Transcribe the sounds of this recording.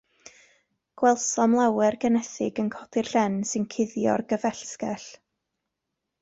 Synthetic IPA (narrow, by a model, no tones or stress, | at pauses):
ɡ̥wɛlˠsɔmlˠawɛrɡənɛθɪɡənkʰɔdɪrɬɛnsɨnkʰɪðjɔ̰rɡəvɛɬskɛɬ